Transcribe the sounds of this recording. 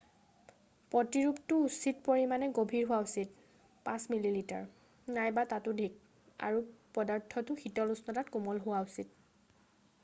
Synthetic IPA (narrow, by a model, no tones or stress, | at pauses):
pɔtiɹuptʊːsit̚poɹimanɛɡobʱiɹɦʊaʊsit̚ | pãsmililita̰ɹ | najbatatʊdʱik̚ | a̰ɹupɔdaɹtʰɔtʊxitɔlusnɔtatkumɔlɦʊwausit